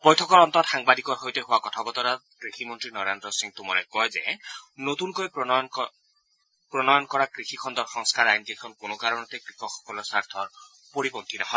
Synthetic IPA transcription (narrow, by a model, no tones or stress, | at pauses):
b̥ɔjtʰɔkɔɹɔnt̪ɔtxaŋbadikɔɹɦojteɦʊwakɔtʰabɔt̪ɔɾa | kɹiximɔntɹinɔɹandɹɔsiŋt̪umɔɹɛkɔjzɛ̰not̪unkojɔɔn | pɹɔnɔjɔnkɔɹakɹixikʰɔnd̪ɔɹxɔŋskaɹajnikekʰɔnkonokaɾɹɔnɔt̪ekɹikʰɔkxɔ̥kɔlɔsaɹt̪ʰɔɹ | poɹipɔnt̪inɔɦɔ